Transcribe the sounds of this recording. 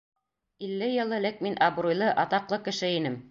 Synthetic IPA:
ilːɘjɤ̆lˠɤ̆lɘk̚minʔɑbrujlˠɤʔɑt̪ɑqlˠɤkɘ̆ʃɘinɘm

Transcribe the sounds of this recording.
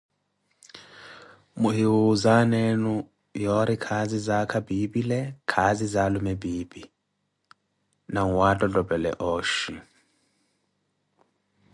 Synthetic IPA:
muɦiwuzanɛnu | jɔɾikʰazizakʰabibilɛkʰazizalumɛbiːbi | naŋwatʼɔdʼɔbɛlɛ̰ʔɔːʃi

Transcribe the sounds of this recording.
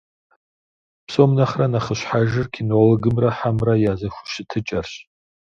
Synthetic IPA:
pʰsomnaχranaχəɕʷħaʒɨrkʰinoloɡɨmraħamrajazaxʷʊ̥ʃɪtʰɨt͡ʃʼarɕ

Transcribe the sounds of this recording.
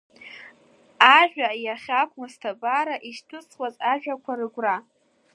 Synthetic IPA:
aʒᶣʷajaχʲakʷʰʼmɨstʰabʼaɾaʔiʃtʰɨt͡sʰχwazaʒᶣakʷʰarɨɡʷra

